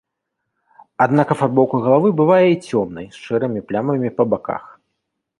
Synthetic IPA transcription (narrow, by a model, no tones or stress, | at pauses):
ad̪nakɐfarbɔwˠkɐɣɐlˠavɨbɨvajɛit͡sʲɔmnɐjsʂɛɾɨmʲiplʲamɐmʲipɐbaka̰x